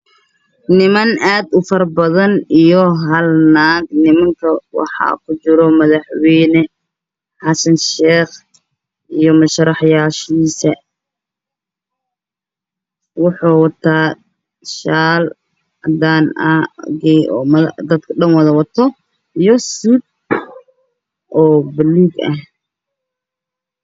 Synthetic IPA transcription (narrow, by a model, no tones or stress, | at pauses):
nɪmɐnʔaːd̪ʊfɐrbɐðɐnijɔɦɐlnaːɡnɪmɐŋkʰɐwɑ̰ħɑ̰ːkʰʊt͡ʃɪɾɔmɐðɑħwɛjnɛ | ħɑsɐnʃɛːχ | ijɔmɐʃɐɾɑħjaːʃiːsɐ | wʊħuːwɑt̪ʰaː | ʃaːl | ɐ̰d̪aːnɐɡɛɔːmɐðd̪ɐd̪kʰɐɖɐnwɐðɐwɑt̪ʰɔ | ijɔsuːd̪̚ | ʔɔːbɪluːɡɐ̰h